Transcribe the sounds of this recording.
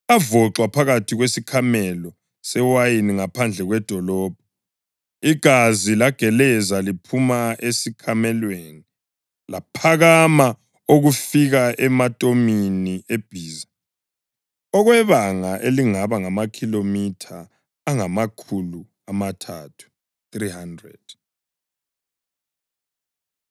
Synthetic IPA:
avɔǁwapʰaɣatʰiɣwesikʰamɛlɔ | sɛwajiniŋapʰand͡ɮʱɛɣwɛd̥ʱɔlɔːb̥ʱɔ | iɡ̥ʱazilaɡ̥ʱɛlɛzalipʰumaʔesikʰamɛlweni | lapʰaɣama | oɣufiɣaɛmatʼominiʔeb̥ʱiːza | ɔɣwɛβaŋaʔeliŋaβaŋamakʰilomitʰaː | ŋamakʰulu | amatʰatʰu̥ | θrihandrɛ̰d̥

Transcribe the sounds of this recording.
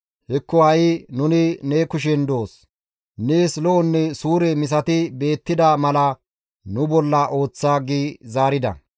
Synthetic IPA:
hɛkːɔhɐjɪnʊnɪnekʊʃ̬ɛnd̪o̞ːs | neːslɔʔɔnːɛsuːɾɛmɪs̬ɐt̪ɪbe̞ːt̪ːɪd̪ɐmɐlɐ | nʊbɔlːɐʔo̞ːt͡sːaːɡiːzaːɾɪd̪ɐ̰

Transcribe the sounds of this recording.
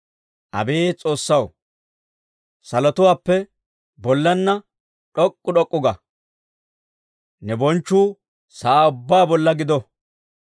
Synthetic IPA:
ʔɐ̰be̞ːt͡sʼo̞ːsːɐw | sɐlɔt̪ʊwaːpːɛ | bɔlːɐnːɐ | ᶑɔkʼːʊɗɔkʼːʊɡɐ | nɛbɔnt͡ʃːuː | saːʊbːaːbɔlːɐɡɪd̪ɔ

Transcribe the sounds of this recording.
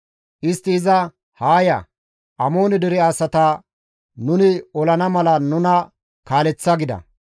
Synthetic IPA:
ʔɪst̪ːɪɪzɐ | haːjɐ̰ | ʔɐmo̞ːnɛd̪ɛɾɪaːsɐt̪ɐ | nʊnɪɔlɐnɐmɐlɐnʊnɐ | kaːlɛt͡sːɐɡɪd̪ɐ̰

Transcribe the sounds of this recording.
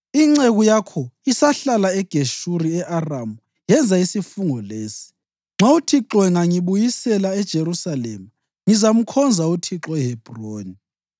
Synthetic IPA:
iŋ͡ǀeɣujakʰɔisaɬalaɛɡ̥ʱeʃuɾiɛʔaramu | jɛnd͡zʱaisifuŋɔleːsi̥ | ŋ͡ǁʱautʰiǁɔwɛŋaŋiβujisɛlaɛd̥ʒ̥ʱeɾusalɛ̰ːma | ŋizam̩kʰɔnd͡zʱautʰiǁɔɛɦɛb̥ʱroːni

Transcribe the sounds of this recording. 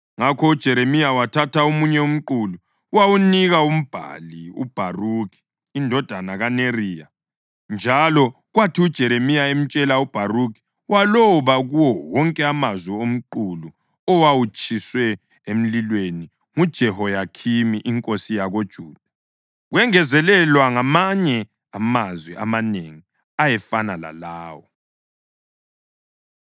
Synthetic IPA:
ŋakʰɔud̥ʒ̥ʱɛɾemijawatʰataomuɲɛum̩ǃulu | wawuniɣaum̩b̥ʱa̰liṵb̥ʱaruki̥ː | ndʱɔd̥ʱanaɣaneriːja | nd͡ʒʱalɔ | ɣwatʰiud̥ʒ̥ʱɛɾemijaem̩t͡ʃʼɛlaub̥ʱaruki̥ | walɔβaɣuwɔwɔŋkʼɛamazwɛom̩ǃulu | ɔwawut͡ʃʼiswɛ | em̩lilweni | ŋud̥ʒ̥ʱɛhɔjakʰimiʔiŋkʼosijaɣod̥ʒ̥ʱuːd̥ʱa | ɣwɛŋɛzɛlɛlwaŋamaɲɛ | amazwiʔa̰maneŋi | ajɛfanala̰laːwɔ

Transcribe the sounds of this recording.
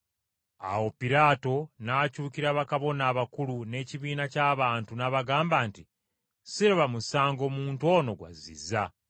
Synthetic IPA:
a̰wo̞piɾaːto̞nacuːciɾaβakaβo̞naːβakulune̞ːciβiːnacaːβaːntunaβaɡaːmbaːnti | siɾeβamusaːŋɡo̞ːmuːntuo̞ːno̞ɡwa̰zḭzːa

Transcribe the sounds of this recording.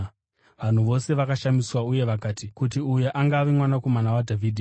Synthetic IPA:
ʋan̤uʋo̞se̞ʋakaʃamiswauje̞ʋakaːtikutiujeʔaŋɡaːʋimwanako̞manawadʱavʱiːdʱi

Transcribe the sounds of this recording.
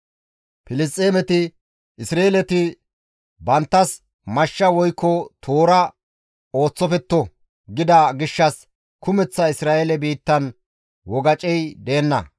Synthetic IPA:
pɪlɪs̬t̪ʼːeːmɛt̪ɪ | ɪsɾeːlɛt̪ɪ | bɐnt̪ːɐs | mɐʃːɐwɔjkːɔt̪ʰo̞ːɾɐ | o̞ːt͡sːɔfɛt̪ːɔ | ɡɪd̪ɐɡɪʃːɐs | kʰʊmɛt͡sːɐɪsɾaːʔelɛbiːt̪ːɐn | wɔɡɐt͡ʃʼɛjd̪e̞ːnːɐ̰

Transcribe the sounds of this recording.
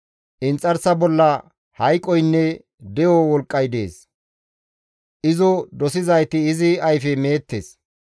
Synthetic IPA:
ʔɪnt͡sʼːɐɾsɐbɔlːɐ | hɐjkʼːɔjnːɛ | d̪ɛjɔwɔlkʼːɐjd̪e̞̰ːs | ʔɪzɔd̪ɔsɪzɐjt̪ɪːzɪɐjfɛme̞ːt̪ːḛːs

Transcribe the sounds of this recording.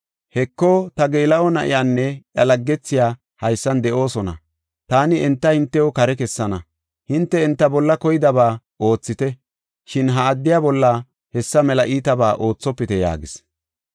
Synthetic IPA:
hɛkːɔt̪ɐɡeːlɐɔnɐ̰ʔɪ̰jaːnːɛʔjɐlɐɡːɛt͡sːɪjaː | hɐjsːɐnd̪ɛʔo̞ːsɔnɐ̰ | t̪aːnɪɛnt̪ːɐhɪnt̪ːɛjokɐɾɛkɛsːɐnɐ | hɪnt̪ːɛɛnt̪ːɐbɔlːɐkɔjɪd̪ɐbaː | ʔo̞ːt͡sːɪt̪ɛ | ʃɪnɦɐːd̪ːɪjaːbɔlːɐ | hɛsːɐmɛlɐʔiːt̪ɐbaːʔo̞ːt͡sːɔpːɪt̪ɛja̰ːɡɪs

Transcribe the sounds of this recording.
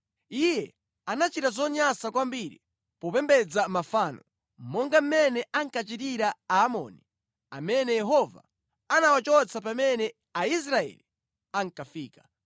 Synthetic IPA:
ijɛ | anat͡ʃitazɔɲasakwambiɾḭ | pɔpɛmbɛd͡zamafaːnɔ | m̩mɔŋɡam̩mɛnɛaŋkat͡ʃitiɾaaːmɔ̰ːni | a̰mɛnɛjɛɦɔva̰ | anawat͡ʃɔt͡sʰap̬amɛnɛ | ais̬ɾaɛ̰li | aŋkafiːkḁ

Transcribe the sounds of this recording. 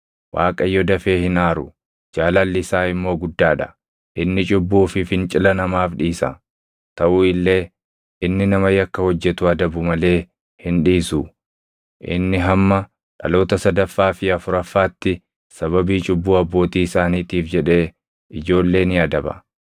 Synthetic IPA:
wʔa̰ːkʼɐjːɔd̪ɐfe̞ːhɪnaːɾʊ | d͡ʒaːlɐlːɪsaːɪmːo̞ːɡʊd̪ːaːᶑɐ | ʔɪnːɪt͡ʃʼʊbːuːfɪfɪnt͡ʃʼɪlɐnɐmaːfᶑiːsɐ̰ | t̪ɐʔuːɪlːe̞ː | ɪnːɪnɐmɐjɐkːɐhɔd͡ʒːɛt̪ʊɐd̪ɐbʊmɐle̞ː | hɪnᶑiːsu | ʔɪ̰nːɪɦɐmːɐ | ᶑɐ̰lo̞ːt̪ɐsɐd̪ɐfːaːfɪɐfʊɾɐfːaːt̪ːɪ | sɐβɐbiːt͡ʃʼʊbːuːɐbːo̞ːt̪iːɪsaːniːt̪iːfd͡ʒɛᶑe̞ː | ɪd͡ʒo̞ːlːe̞ːnɪɐd̪ɐbɐ̰

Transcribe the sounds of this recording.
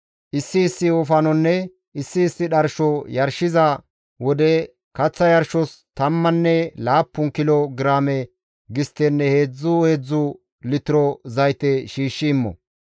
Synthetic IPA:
ʔɪsːɪːsːɪɔfɐnɔnːɛ | ɪsːɪːsːɪɗɐɾʃɔjɐɾʃɪzɐ | wɔd̪ɛ | kɐt͡sːɐjɐɾʃɔst̪ɐmːɐnːɛlaːpːʊŋkɪlɔɡɪɾaːmɛ | ɡɪst̪ːɛnːɛhe̞ːd͡zːʊheːd͡zːʊ | lɪt̪ɪɾɔzɐjt̪ɛʃiːʃːɪːmːɔ̰

